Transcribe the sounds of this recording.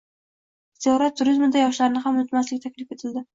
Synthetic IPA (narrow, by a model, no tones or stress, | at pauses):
z̥ijɒɾat̪ʰːʊɾizmɪd̪ajɒʃlaɾɪnɪχamʊnɪt̪maslɪk̚ʲt̪ʰakʲlɪfe̞t̪ʰɪld̪ɪ